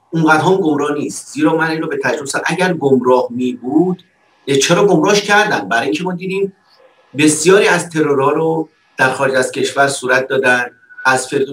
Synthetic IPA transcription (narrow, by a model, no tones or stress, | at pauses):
uŋɢæt̪ɦɒːnɡomɾɒːhniːst̪z̥iːɾɒːmæniːnɾɔːbe̞t̪ʰæd͡ʒɾosænʔæɟæɾɡomɾɒːhmiːbuːd̪̥ | t͡ʃʰeɾɒːɡo̞mɾɒːhʃcʰæɾd̪ænd̪bæɾːjiŋcʰe̞mɒːd̪iːd̪iːm | be̞sijɒːɾiːæzt̪ʰe̞ɾoɾɒːɾo | d̪̥æɾxɒːɾed͡ʒæz̥cʰe̞ʃvæɾsuːɾæt̪̚ʰd̪ɒːd̪ænd̪̥ | æzfe̞ɾd̪o